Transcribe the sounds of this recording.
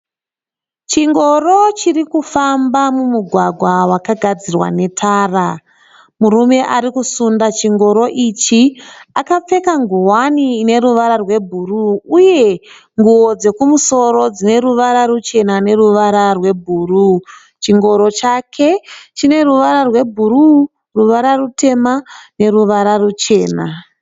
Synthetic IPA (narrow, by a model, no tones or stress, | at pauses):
t͡ʃiŋɡo̞ro̞t͡ʃirikufambamumuɡʱwaɡʱwawakaɡʱad͡zirwa̰ne̞tʰaːra | murume̞ʔaɾikusundat͡ʃiŋɡo̞ɾo̞ʔit͡ʃiakap͡fe̞kaŋɡuwaniːne̞ɾuʋaɾarwe̞bʱuruːje̞ | ŋɡuo̞d͡ze̞kumuso̞ɾo̞d͡zine̞ɾuʋaɾarut͡ʃe̞nane̞ruʋaɾarwe̞bʱuːru | t͡ʃiŋɡo̞ɾo̞t͡ʃakʰe̞t͡ʃine̞ruʋaɾarwe̞bʱuɾu | ruʋaɾarute̞mane̞ruʋaɾarut͡ʃe̞ːna